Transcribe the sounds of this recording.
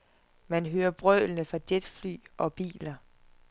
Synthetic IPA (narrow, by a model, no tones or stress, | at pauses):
mænɦøːɐb̥ʁœ̰ːlnəfɑ̈d̥ed̥fly̰ːʔɒ̽b̥ḭːlɐ